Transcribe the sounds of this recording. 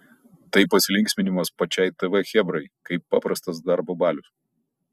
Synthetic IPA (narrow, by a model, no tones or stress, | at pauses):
t̪ɐɪpɐsʲɪlʲɪŋksʲmʲɪnʲɪmɐspɐt͡ʃʲɛɪt̪ɛʋɛxʲɛbɾɐɪkɐɪpːɑ̰ːpɾɐst̪ɐs̬d̪ɐɾbobɑːlʲʊs